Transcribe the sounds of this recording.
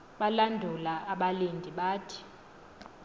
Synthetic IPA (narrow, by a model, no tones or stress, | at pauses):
ɓalandʱulaʔaɓalendʱiɓaːtʰi̥